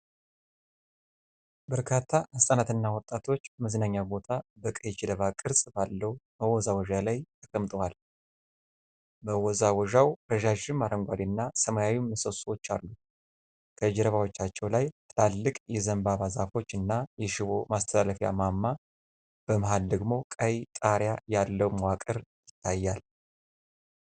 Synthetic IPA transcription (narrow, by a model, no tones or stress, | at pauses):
bəɾkʰat̪ʰːaʔast̪ʼanat̪ɨnːawɔt̪ʼːat̪ʰo̞t͡ʃːməznaɲːabo̞t̪ʰabəkʼəjɛd͡ʒɛd̪əβakʼɨɾsʼbalːəwbəwɔzawɔʒalajt̪ʰəkʼəmt̪ʼəwal | bəwɔzawɔʒawɾəʒaʒɪmːaɾəŋɡʷad̪inːasəmajawimːəsəswot͡ʃːalːu | kʰəd͡ʒɛɾəβawo̞t͡ʃːat͡ʃːɛwlajt̪ʼlalːɨkʼjɛzəmbaβazafo̞t͡ʃːɨnːajɛʃɪβomast̪ʰəlaləfja̰mamːa | b̥əmɦald̪əɡmo̞kʼəjt̪ʼaɾjajalːəwmwakʼəɾjɪt̪ʰːajːal